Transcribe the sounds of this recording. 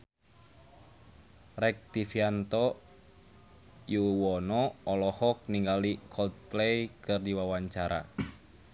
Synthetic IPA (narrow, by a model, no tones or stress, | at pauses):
rɛk̚t̪ifiant̪ɔ | juwɔnɔɔlɔhɔk̚niŋɡalikʰɔlt̪̚plɛjkɨrdiwawaɲt͡ʃaɾa̰